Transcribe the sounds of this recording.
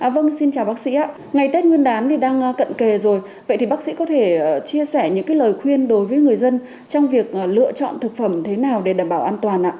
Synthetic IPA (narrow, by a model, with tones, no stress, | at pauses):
ʔaː˨˩və˧nŋsi˧nt͡ɕaː˨˩wɓaː˦˥k̚sḭ˧˥ʔaː˧˦ | ŋa˨˩jt̪e˦˥t̚ŋwi˧ənɗaː˨˦nt̪ʰi˨˩ɗaː˧ŋ˧kə̰˧˨nke˨˩zo˨˩j | və̰˧˨jt̪i˨˩ɓa˦˥k̚sḭ˧˥kɔ˨˦t̪ʰe˧˩˨t͡ɕi˧əsɛ˧˩ɲɨ̰˧˥ŋkaː˨˦jləː˨˩jxwi˧ənɗo˨˦jvəː˨˦jŋɨ˨˩əjzə˧n | t͡ɕɔ˧wŋ͡mvi˨˩ək̚ʔlɨ̰˧ət͡ɕɔ̰˧˨nt̪ʰɨ˨˩k̚fə˧˩mt̪ʰe˨˦naː˨˩wɗe˧˩ɗaː˧˩mɓaː˧˩wʔaː˧nt̪waː˨˩nʔa̰ː˧˨